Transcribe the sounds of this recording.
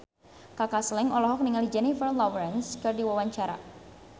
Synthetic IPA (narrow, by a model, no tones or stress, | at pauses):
kakaslɛŋɔlɔɦɔk̚niŋalid͡ʒɛnifərlɔwɾɛnskɨrdiwawaɲt͡ʃaɾa̰